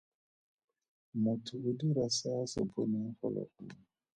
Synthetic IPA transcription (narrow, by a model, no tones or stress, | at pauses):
motʰuudiɾasasɔ̰bonɛ̃fɔ̰lɔ̰ku